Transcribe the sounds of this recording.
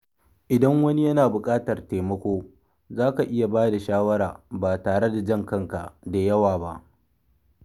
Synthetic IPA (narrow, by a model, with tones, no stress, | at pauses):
ʔɪ˨dɐ˦ŋwɐ˦ni˦jɐ˦naː˨bʊ˨kʼaː˦tɐ˨rteː˨mɐ˦kʷoː˦ | zaː˦ka˨ʔɪ˦ja˨baː˦da˨ʃaː˦wɐ˦ɽaː˨baː˨taː˨ɽe˦da˨d͡ʒɐ˦ŋkɐ˦ŋka˨ʔda˨jɐ˦waː˨ba˦ʔ